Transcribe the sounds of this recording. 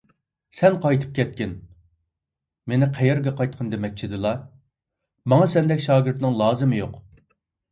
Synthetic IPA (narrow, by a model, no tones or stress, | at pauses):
sɛnqʰɑjt̪ʰɨ̥p̚kʲʰɛt̪̚kʲɪn | menɪqʰæjɛɾɡʲɛqɑjt̪̚qʰənd̪emɛk̚ʲt͡ʃʰid̪ɨlˠɑ | mɑŋɑsɛnd̪ɛkʲʃɑːɡʲɪɾt̪nɪŋlˠɑːzɨmɨjoq